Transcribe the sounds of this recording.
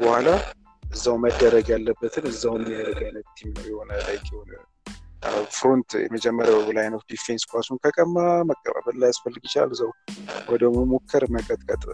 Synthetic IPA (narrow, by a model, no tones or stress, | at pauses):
bəhala | ɨzːawməd̪ːəɾəɡjalːəbːət̪ʰɨnɨzːawjɛmːiaɾəɡajnət̪ːʰimnəwjɛhonəlajkʰʼjɛhon | fɾont̪jɛ̰məd͡ʒɛmːəɾabəbulajnəfd̪ifenskʰʷasunkʰəkʼəmːaməkʼːə̰βa̰βəlːajasfəlːɨɡɪt͡ʃa̰lsəwwɔd̪əməmokʰːəɾməkʼət̪ʼkʼət̪ʼ